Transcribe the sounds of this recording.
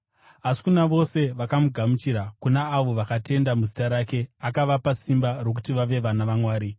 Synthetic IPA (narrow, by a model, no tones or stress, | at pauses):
asi̥kunaʋo̞se̞ʋakamuɡʱamut͡ʃiɾakunaːʋo̞ʋakate̞ndamuzitaɾaːke̞akaʋapasimbaro̞k̬utiʋaʋe̞ʋanaʋamwaːɾi